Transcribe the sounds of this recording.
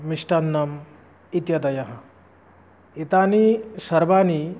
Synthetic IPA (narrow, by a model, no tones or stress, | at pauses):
miʂʈɐnːɐm | it̪jɐd̪ɐjɐɦɐ̆ | it̪aːnisɐɾbaːni